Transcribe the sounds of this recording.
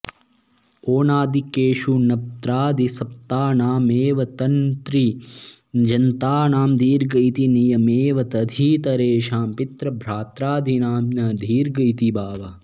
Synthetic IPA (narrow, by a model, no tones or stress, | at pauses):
oːnaːd̪ikeːʃunɐp̚t̪ɾaːd̪ʱisɐp̚t̪aːnaːmeːʋɐt̪ɐnt̪ɾi | d͡ʒɐnt̪aːnaːmd̪ʱiːɾɡɐjt̪inijɐmeːʋɐt̪ɐd̪ʱiːt̪ɐɾeːʃaːmpit̪ɾɐbʱɾaːt̪ɾaːd̪ʱinaːmnɐd̪ʱiːɾɡɐjt̪ibaːʋɐ